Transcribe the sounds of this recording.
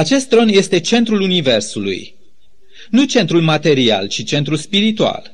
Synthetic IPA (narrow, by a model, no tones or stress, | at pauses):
at͡ʃe̞st̪̚ːɾo̞nje̞st̪e̞t͡ʃe̞nt̪ɾulunive̞rsulṵj | nut͡ʃe̞nt̪ɾulmat̪e̞ɾia̰lt͡ʃit͡ʃe̞nt̪ɾulspiɾit̪ua̰l